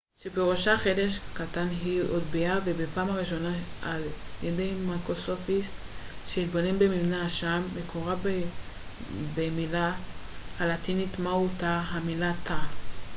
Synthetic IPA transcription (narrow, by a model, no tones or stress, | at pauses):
ʃebeʁoʃaχede̞ʃkatanɦiodbiavebepaːmhaʁiʃo̞naaljedejmakosofistʃeit̪̚bo̞ne̞mbemivnaʃamːekʰoʁab | bemilahalat̪init̪mautaɦamilat̪a